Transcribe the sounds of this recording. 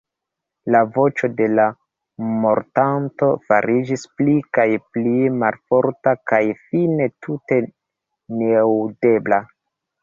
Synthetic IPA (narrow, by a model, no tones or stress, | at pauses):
lavo̞t͡ʃo̞de̞la | mo̞ɾtanto̞fa̰ɾid͡ʒisplikajplimalfo̞ɾtakajfine̞tʰute̞ | newde̞bla